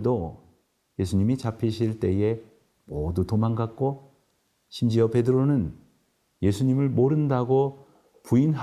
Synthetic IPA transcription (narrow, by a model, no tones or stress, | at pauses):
do | je̞sʰuɲimit͡ɕapʰiɕʰiɭt͈e̞e̞ | modutomanɡak̚k͈o | ɕʰimd͡ʑiʌpe̞dɯɾonɯn | je̞sʰuɲimɯɭmoɾɯndaɡo | puinɦ